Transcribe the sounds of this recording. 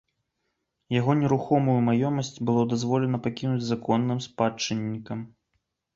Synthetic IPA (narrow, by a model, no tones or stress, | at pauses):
jaɣɔnʲɛɾuxɔmujumajɔmɐsʲt͡sʲbɨlˠɔd̪azvɔlʲɛnɐpakʲinud͡zʲzakɔnːɨmspat͡ʂɨnʲːikɐm